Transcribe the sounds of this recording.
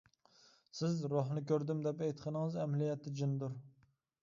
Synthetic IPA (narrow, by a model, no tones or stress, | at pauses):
sɪzɾoɦnɨkʲøɾd̪ɪmd̪ɛpɛjt̪qʰənəŋɨzɛmlijɛt̪ʰːɪd͡ʒind̪uɾ